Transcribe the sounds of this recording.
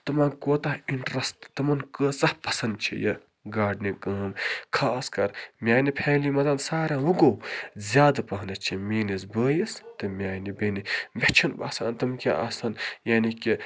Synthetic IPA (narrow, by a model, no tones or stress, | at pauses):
t̪ɐmãːnkoːt̪ɐɦiɳʈɾɐstt̪ɐmɐnkəːsɐhpɐsɐnd̪t͡ʃʰḭjɐ̰ | ɡaːɖnikəːmkʰaːskɐɾmʲaːnipʰeːlimɐzɐnsaːɾʲjawuɡowzʲjaːd̪ɨpɐɦnɐt͡ʃʰimʲeːnis̬bəːjist̪ɨmʲjaːnibenimʲet͡ʃʰinba̰ːsɐːnt̪ɐmkʲḭʔɐ̰sɐnjaːniki